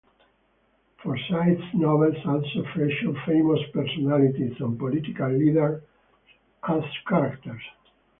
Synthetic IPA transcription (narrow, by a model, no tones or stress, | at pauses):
fɔɹsajt̪snɔvɛlsadsofɾɛʃɔfejmɔspɛɾsɔnalit̪isɔ̃npɔlit̪ikalːid̪əɹ | kʰastkaɾakt̪əɹs